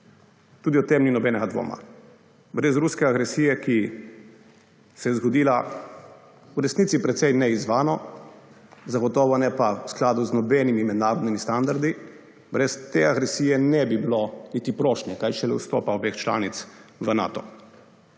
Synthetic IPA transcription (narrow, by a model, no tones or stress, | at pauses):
t̪uːd̪iɔt̪emninɔbɛːnɛɡad̪ʋo̰ːma̰ | bɾɛzɾuskɛaɡɾɛsiːjɛki | sɛjɛzɡɔd̪iːla | uɾɛsnit̪sipɾɛt̪sɛjnɛizʋaːnɔ | zaɡɔt̪ɔːʋɔnɛpawsklaːd̪uznɔbɛnimimɛd̪naːɾɔd̪nimist̪and̪aɾd̪i | bɾɛst̪eaɡɾɛsiːjɛnɛbibilɔnit̪ipɾɔːʃnjɛkajʃɛlɛ̰wst̪ɔ̰ːpaɔbext͡ʃla̰ːnit̪sʋəna̰ːt̪ɔ